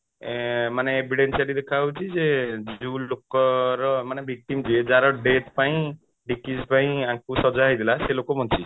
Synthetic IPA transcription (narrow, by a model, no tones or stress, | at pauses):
maneːbʱiɖensalid̪ekʰaut͡ʃʰid͡ʒed͡ʒulokɔɾɔmanebʱik̚ʈimd͡ʒied͡ʒaɾɔɖet̪ʰpaĩ | ɖikispaĩakusɔd͡ʒaɦjd̪ilaselokɔbʱɔnt͡ʃi